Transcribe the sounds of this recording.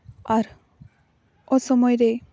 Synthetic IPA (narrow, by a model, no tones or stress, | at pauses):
aɾ | ɔsɔmɔjɾe